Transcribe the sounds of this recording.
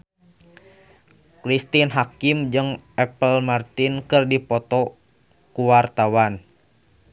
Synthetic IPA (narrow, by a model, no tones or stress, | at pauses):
kɾist̪inɦakimd͡ʒɨŋɛpəlmart̪inkɨrdipɔt̪ɔ | kuwart̪awan